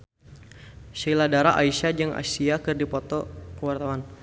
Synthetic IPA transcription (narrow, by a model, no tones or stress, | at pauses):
ʃiladaɾaʔaiʃad͡ʒɨŋʔa̰siakɨrdipɔt̪ɔkəwart̪awan